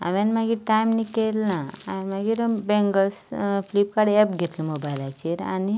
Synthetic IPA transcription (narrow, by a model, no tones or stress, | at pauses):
a̰ʋanmaɡiʈajmnikelːãanmaɡiɾəbɛ̃ŋɡəsflipkaɽiɛpɡʱet̪ləməɡbalat͡ɕiɾa̰ni